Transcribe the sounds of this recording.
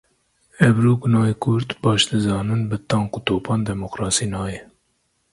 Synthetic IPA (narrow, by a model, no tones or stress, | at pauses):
ɛvɾuːɡunɑːikʰʊɾt̪bɑːʃd̪ɨzɑːnɨnbɨt̪ɑŋkut̪oːpʰɑːnd̪ɛmoqɾɑːsiːnɑːjɛ